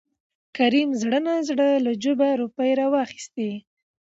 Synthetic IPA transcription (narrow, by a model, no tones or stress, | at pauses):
kaɾimzɽənazɽəlad͡ʒobaɾupəjɾɑwɑxi̥st̪e